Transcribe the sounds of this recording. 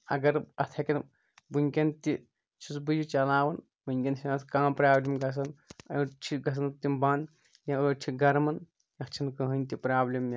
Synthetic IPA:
ɐ̰ɡɐɾɐt̪ʰɐkʲɐn | buŋʲkʲɐnt̪i | t͡ʃʰusbɨjut͡ʃɐlaːʋɐn | bunʲkʲɐnsʰʲinɐskãːmpɾaːblʲimɡɐs̬ɐnɐt͡ʃʰiɡɐs̬ɐnt̪imbaːn | jɐt͡ʃʰiɡɐɾmɐn | jɐkt͡ʃʰinkɐɦɨnʲt̪ipɾaːblʲimjɐ

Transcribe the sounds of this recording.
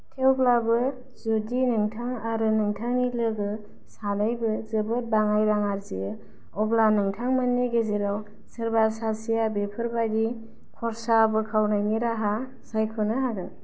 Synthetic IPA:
tʰewblabɯ | zodinɯŋtʰaŋaɾɯnɯŋtʰaŋilɯɡɯ | sanajbɯzɯbɯt̚baŋajɾaŋaɾzijɯ | ɔblanɯŋtʰaŋmanːiɡezeɾaw | sɯɾbasasijabepʰɯɾbadi | kʰɔɾsabɯkʰawnajniɾaɦa | sajkʰɔnɯɦaɡɯŋ

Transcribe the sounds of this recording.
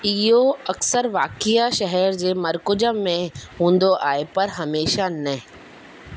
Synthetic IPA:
ɪɦoɐksəɾʋaːkijaʃɐɦɛɾd͡ʑeːmɐɾkʊd͡ʑəːẽɦũːnd̪oʔaːepɐɾɦɐmeːʃanɐɦ

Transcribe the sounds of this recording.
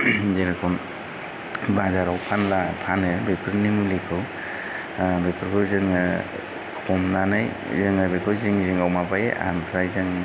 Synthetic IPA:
zeɾakʰɔn | bazaɾawpʰanlapʰanɯbepʰɯɾnimulikʰɯw | bepʰɯɾkʰɯzɯŋɯ | kʰɔmnanɯj | zɯŋabekʰɯziŋzɯŋawmapajḛʔa̰npʰɾajzɯŋ

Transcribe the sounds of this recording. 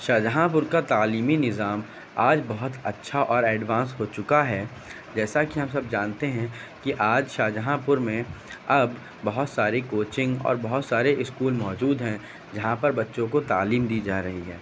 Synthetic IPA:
ʃaːd͡ʒəɦãp̬ʊɾkat̪aːliːminɪzaːm | aːd͡ʒbɐɦʊt̪ɐtːʃʰaʔɔːɾɛːɖʋãːnsɦoːt͡ʃʊkaɦɛː | d͡ʒɛːsakiɦɐmsɐb̚d͡ʒaːnt̪eɦɛ̃kiʔaːd͡ʒʃaːd͡ʒəɦãpʊɾmẽɐbː | ɐɦʊt̪saːɾekoːt͡ʃɪ̃ŋɡɔ̰ːɾbɐɦʊt̪saːɾeʔɪskuːlmɔːd͡ʒuːd̪ɦɛ̃ | d͡ʒɐɦãpɐɾbɐtːʃõkot̪aːliːmd̪iːd͡ʒaːɾɐɦiɦɛː

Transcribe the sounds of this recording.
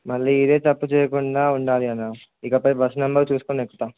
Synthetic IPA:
mɐɭːiːid̪e̞ːt̪ɐpːut͡ʃɛːjɐkuɳɖaːuɳɖaːliɐnːaː | ikɐpɐjbɐsɐnɐmbɐɾt͡ʃuːsukoːnekːut̪a

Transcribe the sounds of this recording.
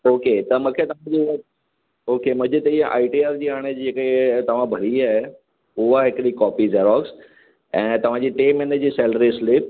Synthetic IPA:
oːket̪ɐmũkʰet̪ɐʋ̤ãd͡ʑi | oːkemũɦd͡ʑɪt̪ɐiə̃ʔa̰ːɪʈiaːɾd͡ʑiːaːɽ̃ed͡ʑeːket̪ɐʋ̤ãbʱɐɾiaːɦe | ʊɦaɦɪkɗikɔːpizeːɾɔːks | ɛ̃ːt̪ɐʋ̤ãd͡ʑiːʈeːmeːnəd͡ʑiːsɛːləɾislɪp̚

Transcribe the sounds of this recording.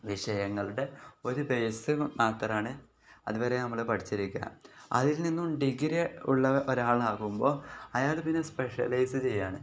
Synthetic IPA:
ʋiʂɐjɐŋːɐɭuɽe̞o̞ɾubejsɨmaːt̪rɐmaːɳɨ | ɐ̰ðuʋɐɾenɐmːɐɭepɐʈʰi̥t͡ɕːiɾikʲːa̰ːmɐ̰ðilninːumɖiɡiɾeuɭːɐʔoɾaːɭaːɣumbo̞ːɐjaːɭpinːespe̞ʂɐ̰lɐjsɨt͡ɕe̞jːaːɳɨ

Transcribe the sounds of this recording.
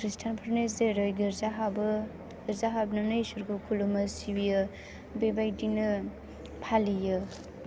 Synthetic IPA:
kʰɾistʰanpʰɾnes̬deɾojɡiɾzaɦabɯː | ɾzaɦabnɐnɯjsuɾɡukʰulumɐsibijɯ | bebajdinɯ | pʰalijɯ

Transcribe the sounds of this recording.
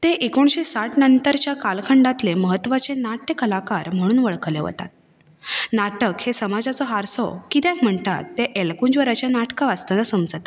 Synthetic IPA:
t̪eʔekoɳ̃ɕesaʈnənt̪əɾt͡ɕjakalkʰəɳɖat̪leməɦət̪ːʋat͡senaʈjəkəlakaɾm̤əɽ̃uːnʋəɭkəleʋə̰t̪a̰t̪̚ | naʈəkhesəmad͡zat͡sɔɦaɾsɔ̰kit̪jɛ̃km̤əɳt̪a̰t̪ːeʔelkuɲd͡ʑʋəɾat͡ɕjanaʈkaʋast̪anasəmd͡zət̪

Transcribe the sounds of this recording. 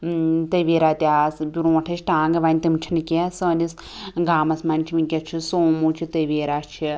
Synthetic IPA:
t̪əʋeːɾaːt̪ʲaːsbʲuɾũɐʈʰɐt͡ʃʰʈaːŋɡɐʋaːnʲit̪ɨmt͡ʃʰinɨkʲesənis | ɡaːmɐsmɐnʲt͡ʃʰimikʲet͡ʃʰisoːmuːt͡ʃʰit̪ɐʋeːɾaːst͡ʃʰi

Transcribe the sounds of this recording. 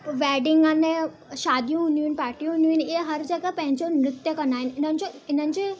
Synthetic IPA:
ʋɛːɖɪ̃ŋɡəne | ʃaːd̪ʱijũɦʊnjũin̆paːʈijũɦʊnjũɪniɦɐɾd͡ʑɐɡəpɐ̃ɦɪ̃ɲd͡ʑonɾɪt̪jəkɐnd̪aːɦɪn̆ɪn̤ənɪ̆d͡ʑoɪn̤ənɪ̆d͡ʑeː

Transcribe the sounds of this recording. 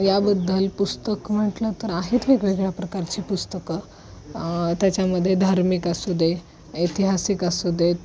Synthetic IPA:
jabəd̪ʱːəlpust̪əkm̤əʈlət̪əɾaɦit̪ʋekʋeɡɭjapɾəkaɾt͡ɕiːpust̪əkə | t̪jat͡ɕjaməd̪ʱːjed̪ʱaɾmikasud̪e | it̪iɦasikəsud̪et̪

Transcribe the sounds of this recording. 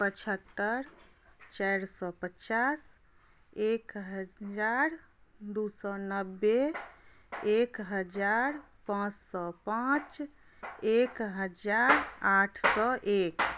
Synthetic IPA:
pət͡ʃʰət̪ːəɾt͡ʃajɾsɔpət͡ʃas | ekɦəd͡ʒaɾ | d̪usɔnəbːe | ekɦəd͡ʒaɾ | pãt͡ʃsɔpãt͡ʃ | ekɦəd͡ʒaɾaʈʰsɔʔek

